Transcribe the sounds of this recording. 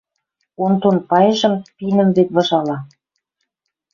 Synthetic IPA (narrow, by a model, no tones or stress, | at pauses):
ont̪onpɑjɤ̆ʒɤ̆mpinə̆mβet̪̚βɤ̆ʒɑlɑ